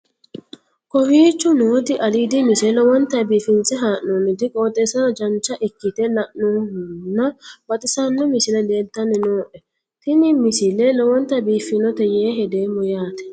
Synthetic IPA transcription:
kɔhiːt͡ʃːʊnoːt̪ɪʔɐliːd̪ɪmɪsɛlɔwɔnt̪ɐbiːfɪnt͡sʼɛɦaːʔnoːnɪd̪ɪkʼoːt̪ʼːɛːsɐd͡ʒɐnt͡ʃːɐʔɪkːɪt̪ɛlɐʔnoːhnːɐbɐt̪ʼɪsanːɔmɪsɪlɛd̪eːnt̪ːɐnːɛnoːʔɛ | t̪ɪnɪmɪsɪlɛlɔwɔnt̪ɐbiːfɪnɔt̪ɛjeːɦɛd̪eːmːʊjaːt̪ɛ̥

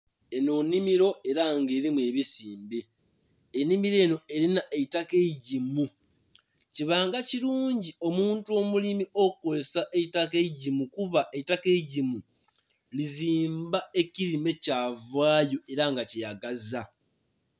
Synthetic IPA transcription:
e̞nonːimiɾo̞ʔe̞ɾaŋɡe̞ːɾimwe̞ːβisiːmbeː | nimiɾe̞ːno̞e̞linaʔetakeɟimu | ciβaːŋɡaciɾuːɲɟio̞muːntuo̞ːmulimiokukolesaʔetake̞ɟimukuβaʔe̞tːake̞ɟimu | liziːmbae̞ciɾime̞caːvwaːjo̞e̞ɾaŋɡacijaɡaza

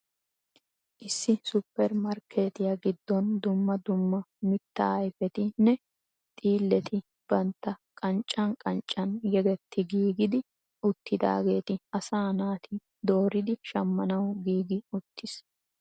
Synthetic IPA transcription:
ʔɪsːɪsʊpːɛɾmɐɾkʰeːt̪ɪjɐɡɪd̪ːɔnd̪ʊmːɐd̪ʊmːɐmɪt̪ːɐjfɛt̪ɪnːɛ | t̪ʼiːlːɛt̪ɪ | b̥ɐnt̪ːɐkʼɐnt͡ʃʼːɐnkʼɐnt͡ʃʼːɐnɡɛɡɛt̪ːɪɡiːɡɪd̪ɪ | ʊt̪ːɪd̪a̰ːɡe̞ːt̪ɪɐsaːnaːt̪ʰɪ | d̪o̞ːɾɪd̪ɪʃɐmːɐnɐwɡiːɡɪʊt̪ːɪs

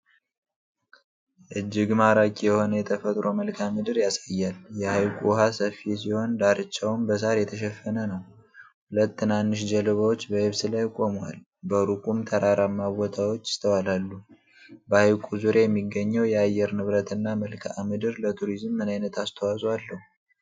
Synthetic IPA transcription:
ʔɨd͡ʒːɪɡmaɾakʼjɛho̞nəjɛt̪ʰəfət̪ʼɾo̞məlkʰamɨd̪ɨɾjasajːaljɛhajkʼuwɦasəfisiho̞nd̪aɾɨt͡ʃːawmbəs̬aɾjɛt̪ʰəʃ̬ɛfːənənəwhulət̪ːɨnanːɨʃ̬d͡ʒəlɨβawot͡ʃːbəhɛβsɨlajkʼo̞mwa̰l | bəɾukʼumt̪ʰəɾaɾamːawɔt̪ʰawot͡ʃːɪ̥st̪ʰəwalalːu | bəhajkʼuzuɾejɛmːiɡːəɲːəwjɛajɛɾnɨβɾət̪ʰɨnːaməlkʰamɨd̪ɨɾlət̪ʰuɾizmːɨnajnət̪ʰast̪ʰəwasʼalːəhu

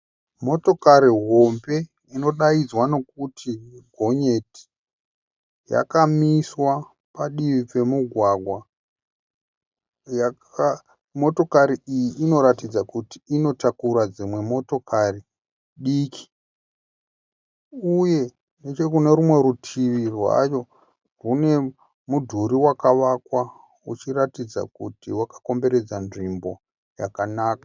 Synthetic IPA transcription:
mo̞to̞kaɾiɦo̞mbe̞ | ino̞ɗaid͡zwano̞kutʰiɡʱo̞ɲe̞ti̥ | ja̰kamiswa | paɗiʋipe̞muɡʱwaɡʱwa | jaka | mo̞to̞kaɾiijiʔino̞ɾatid͡zakuti̥ino̞takuɾad͡zimwe̞mo̞to̞kʰari | ɗiːki̥ | uje̞ | ne̞t͡ʃe̞kune̞ɾumwe̞ɾutʰiʋirwa̰jo̞ | rune̞ | mudʱuɾiwakaʋakwa | ut͡ʃiratid͡za̰kutiwakḁko̞mbe̞ɾe̞d͡zanʐimbo̞ | ja̰kanaːkḁ

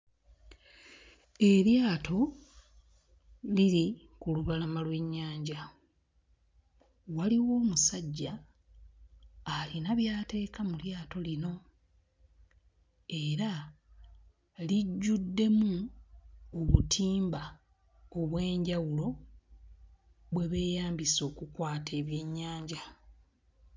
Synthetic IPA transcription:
e̞ljaːtʰo̞ | liɾi | kuluβalamalwe̞ɲːaːɲɟa | waliwo̞ːmusaɟːa | linaβjaːte̞ːkamuljaːto̞lino̞ | e̞ɾa | liɟːudːe̞mu | oβutʰiːmba | oβwe̞ːɲɟawulo̞ | βwe̞βe̞ːjaːmbiso̞ːkukwaːtʰe̞ːβje̞ɲːaːɲɟa

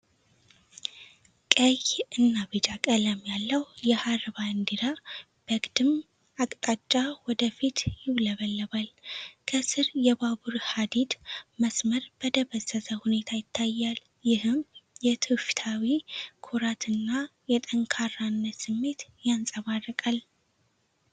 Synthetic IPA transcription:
kʼəjɨnːaβɨd͡ʒakʼələmjalːəwjɛhaɾβaɨnd̪iɾa | b̥əɡʼd̪ɨm | akʼt̪ʼat͡ʃʼːawɔd̪əfit̪jɪβləβəlːəβalkʰəsɨɾjɛbabuɾhad̪id̪məsməɾb̥əd̪əβəzət̪ʰəhune̞t̪ʰajɪt̪ʰːajːal | jɪɦɨmjɛt̪ʰɨft̪ʰawikʰoɾat̪ʰɨnːajɛt̪ʼəŋkʰaranːət̪sɨmːe̞t̪jansʼəβarːəkʼal

